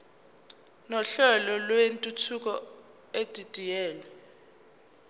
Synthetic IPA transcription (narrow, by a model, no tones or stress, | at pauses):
nɔɬɛlɔlwentʼutʰuk̬ʼɔ | ed̥ʱid̥ʱʼijɛːlɛ